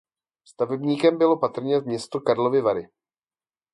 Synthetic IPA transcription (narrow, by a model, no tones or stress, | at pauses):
st̪avɛbɲiːkɛmbɪlo̞pat̪r̩ɲɛvmɲɛst̪okaɾlo̞vɪvaɾɪ